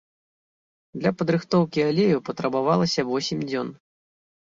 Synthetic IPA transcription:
d̪lʲɐpɐd̪ɾɨxt̪ɔwkʲialʲejupɐt̪ɾɐbavalˠɐsʲɐvɔsʲimʲd͡zʲɔn

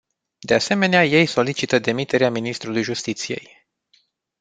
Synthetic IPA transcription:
d̪e̞ase̞me̞neaje̞jso̞lit͡ʃit̪əd̪e̞mit̪e̞ɾeaminist̪ɾulujʒust̪it̪sije̞̰j

